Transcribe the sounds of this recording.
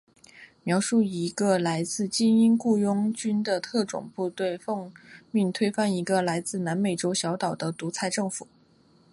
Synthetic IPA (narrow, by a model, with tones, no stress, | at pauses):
mjɑ˧˥ʊʂu˥˩i˧˥ɡə˧la˧˥ɪt͡sɹ̩˥˩t͡ɕi˥ni˥nku˥˩jʊ˥ŋt͡ɕy˥nd̪ə˨t̪ʰɤ˥˩ʈ͡ʂʊ̰˨˩ŋpu˥˧t̪we˥˧ɪfɤ˥˧ŋmy˥˩nt̪ʰwe˥ɪfa˥˩ni˧˥ɡə˧la˧˥ɪt͡sɹ̩˥˩na˧˥nme˨˩ɪʈ͡ʂo˥ʊɕjɑ˧˥ʊt̪ɑ˨˩ʊd̪ə˦t̪u˧˥t͡sʰa˥˧ɪʈ͡ʂɤ˥˩ŋfu˨˩˦